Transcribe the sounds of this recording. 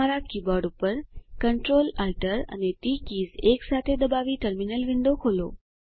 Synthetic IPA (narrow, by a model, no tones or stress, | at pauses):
aɾakiːbɔɾɖupəɾkəɳʈɾolalʈəɾa̰net̪iːkiːd͡zeksat̪ʰed̪əbaʋiːʈəɾminəlʋiɳɖ̪okʰolo̰